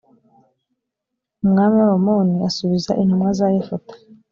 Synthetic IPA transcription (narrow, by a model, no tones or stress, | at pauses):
umŋaːmaɾomoniasuβiza̰ʔin̥humŋazajefotḁ